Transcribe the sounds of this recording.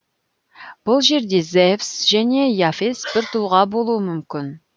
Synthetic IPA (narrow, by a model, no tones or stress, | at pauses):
b̥ʊlˠʒe̞ɾd̪e̞zevsʒæne̞jafesbɪɾt̪ʰʊlˠʁɑbolˠuəmʏmkʲɪn